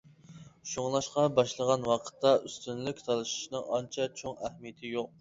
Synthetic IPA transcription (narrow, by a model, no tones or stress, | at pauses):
ʃoŋlˠɑʃqɑbɑʃlˠəʁɑnwɑqʰə̥t̪ʰːɑʔyst̪ynlykʲt̪ʰɑlˠɨʃi̥ʃnɨŋɑnt͡ʃʰɛt͡ʃʰoŋɛhmijɪt̪ʰɪjoq̚